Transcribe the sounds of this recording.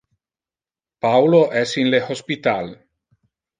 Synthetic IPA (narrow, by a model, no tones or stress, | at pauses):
pawloʔɛsinlehospit̪al